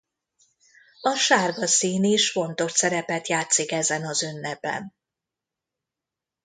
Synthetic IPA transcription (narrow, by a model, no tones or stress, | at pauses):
ɒʃaːrɡɒsiːniʃfo̞nt̪o̞rt̪sɛɾɛpɛt̪jaːt̪sikɛzɛnɒzønːɛbɛ̰n